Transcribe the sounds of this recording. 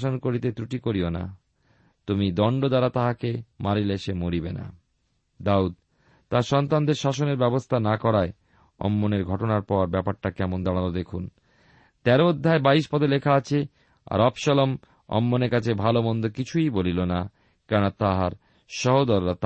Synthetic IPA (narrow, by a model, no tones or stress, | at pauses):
ʃonkoɾit̪et̪ɾuʈikoɾiona̰ | t̪umid̪ɔɳɖod̪aɾat̪aɦakemaɾileʃemoɾibena̰ | d̪aud̪̚ | t̪aɾʃɔnt̪and̪eɾʃaʃoneɾbɛbost̪ʰanakɔɾae | ɔ̰mːoneɾɡʱɔʈonaɾpɔɾbɛpaɾʈakɛmond̪aɽ̃alod̪ekʰun | t̪ɛɾood̪ʱːaebaiʃpɔt̪ʰelekʰaat͡ɕʰe | a̰ɾɔpʃɔlom | ɔ̰mːoneɾkat͡ɕʰebʱalobɔnd̪okit͡ɕʰujbolilona | kɛɾonat̪aɦaɾ | ʃɔɦod̪ɔɾːat̪